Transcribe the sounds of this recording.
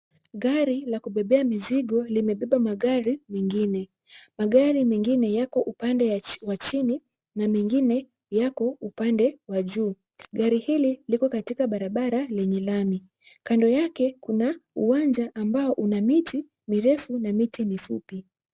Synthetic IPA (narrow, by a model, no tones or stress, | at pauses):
ɠaɾilakuɓɛɓɛamiziɠɔlimɛɓɛɓamaɠaɾimɛŋɡinɛ | maɠaɾimɛŋɡinɛjakɔʔupandɛwat͡ʃini | namɛŋɡinɛ | jakɔupandɛwaʄuː | ɠaɾihililikɔkatikaɓaɾaɓaɾalɛɲɛlami | kandɔjakɛkunauwand͡ʒaʔːmbaɔʔunamiti | miɾɛfunamitimifupi